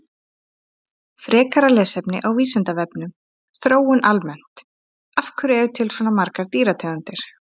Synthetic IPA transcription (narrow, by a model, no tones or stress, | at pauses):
fɾɛːkaɾalɛːsɛpnɪ̰ʔawviːsant̪avɛpnʏm | θɾoːwʏnʔalmɛn̥t̪ | afkʏɾɛvʏt̪ʰɪlswɔːnamaɾkaɾt̪iːɾat̪ʰɛant̪ɪɾ̥